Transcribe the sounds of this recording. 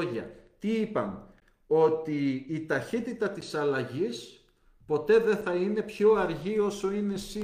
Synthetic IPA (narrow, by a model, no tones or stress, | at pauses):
ʝɐ̰t̪iipɐn | o̞t̪iːt̪ɐçit̪it̪ɐt̪isɐlɐʝis | po̞t̪e̞ðe̞θɐine̞pço̞ɐɾʝio̞so̞ine̞si